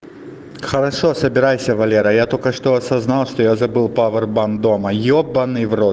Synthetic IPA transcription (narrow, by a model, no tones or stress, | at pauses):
xɐɾɐʂɔsɐbʲɪɾajsʲɐvɐlʲeɾɐjat̪olʲkɐʂt̪oɐsɐznalˠʂt̪ojɔzɐbɨlˠpavɛrband̪omɐjɔbɐnɨjvro